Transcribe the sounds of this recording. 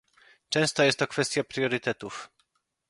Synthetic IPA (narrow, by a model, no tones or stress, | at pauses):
t͡ʂɛ̃w̃st̪ɔjɛst̪ːɔkfɛst̪japɾjɔɾɨt̪ɛt̪uf